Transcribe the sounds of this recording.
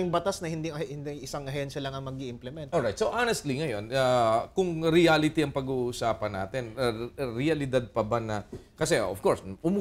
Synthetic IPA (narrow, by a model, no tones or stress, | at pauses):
jʊŋbɐt̪asnɐhɪnd̪iɐhɪnd̪iʔɪsaŋɐɦɐjonsɐlɐŋɐŋmɐɡ̚iʔɪmplɛmɛnt̪olɹajt̪sowʔanɛst̪liŋɐjo̞nakʊŋɾɪalɪt̪iɐŋpɐɡuːʔsaːpɐnːa̰ːt̪ɛnɐɾɪɐlɪd̪ad̪̚pɐbanɐ | kɐsɛʔofkoɹsʔʊmu